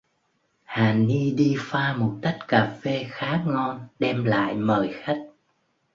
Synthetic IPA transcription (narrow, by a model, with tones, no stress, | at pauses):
haː˨˩ni˧ɗi˧faː˧mo˨˩t̚t̪ə˦˥k̚kaː˨˩fe˧xaː˨˦ŋɔ˧nɗɛ˧mla̰ː˧˨jməː˨˩jxa˦˥k̟̚